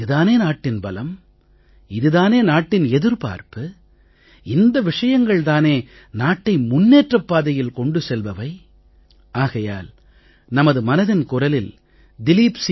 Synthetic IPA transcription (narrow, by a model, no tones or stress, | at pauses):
ɯðaːneːnaːʈːɪnbɐlɐm | ɪðɯðaːneːnaːʈːɪnɛðɯɾpa̰ːɾpɯ | ɪnd̪ɐʋɪʂɐjɐŋɡɐɭt̪aːneː | naːʈːɐɪmʊnːeːʈrɐpːaːðɐjɪlkɔɳɖɯsɛlʋɐʋɐɪ | aːɣɐja̰ːl | nɐmɐðɯmɐnɐðɪnkʊrɐlɪl | d̪ɪliːps